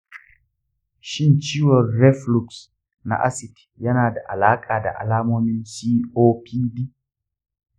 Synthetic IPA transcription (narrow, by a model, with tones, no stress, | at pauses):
ʃɪ˦nt͡ʃiː˦wɔ˨rːɛ˦flu˨ks | na̰˨ʔa̰˦sɪ˨d | jɐ˦naː˨da˨ʔa̰˨laː˦kʼaː˨da̰˨ʔa̰˨laː˦moː˦mɪ˦nsiː˦ʔoː˦pʰiː˦diː˦